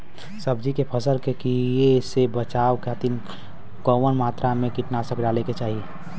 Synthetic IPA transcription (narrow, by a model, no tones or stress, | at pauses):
səbd͡ʒikepʰəsəlkekiesebət͡ʃaːʋkʰaːt̪in | kɔʋənmaːt̪ɾamẽkiʈnasəkɖaleket͡ʃaːɦie